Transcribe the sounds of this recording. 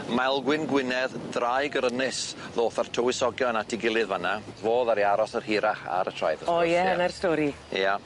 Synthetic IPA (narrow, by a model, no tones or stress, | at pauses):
malˠɡwɪnɡwɪnɛðdrajɡəɾənɪsðoːθartʰəwɪsɔɡjɔnatʰiɡɪlˠɨðvanavoːðaɾiaɾɔsərhiɾaχa̰ɾətʰr̥a̰jðəɔjɛnɛrstɔːɾi | ja